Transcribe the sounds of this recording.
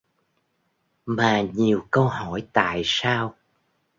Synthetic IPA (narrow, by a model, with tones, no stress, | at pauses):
maː˨˩ɲi˨˩əwkə˧whɔ˧˩jt̪a̰ː˧˨jsaː˧w